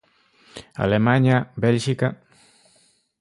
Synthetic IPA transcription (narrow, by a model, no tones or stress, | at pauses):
a̰lemaɲabelʃika